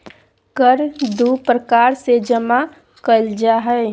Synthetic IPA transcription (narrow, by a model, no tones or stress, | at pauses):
kəɾd̪upɾəkaːɾsed͡ʒəma | kəld͡ʒaɦɛ